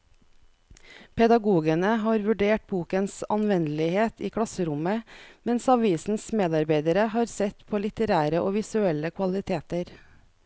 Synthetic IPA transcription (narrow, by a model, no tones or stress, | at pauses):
pʰɛd̪ɑɡuːɡənəɦɑːɾʋʉɖeːʈ̚buːkənsɑnʋɛnlɪheːt̪iːkʰɽɑsəɾʊməmɛnsɑʋiːsn̩smeːd̪ɑɾbæɪd̪əɾəhɑːɾsɛt̪pʰoːlɪt̪əɾæːɾəʔoːʋɪsʉɛləkʰʋɑlɪt̪ʰeːt̪əɾ